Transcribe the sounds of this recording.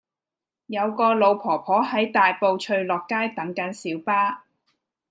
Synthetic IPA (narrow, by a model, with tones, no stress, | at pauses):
jɐ˨˧wkɔː˧lo˨˧wpʰɔː˨˩pʰɔː˨˥ɦɐ˨˥jt̪aː˨jpo˨wt͡ʃʰɵ˧ɥlɔː˨kːaː˥jt̪ɐ˨˥ŋkɐ˨˥nsiː˨˥wpaː˥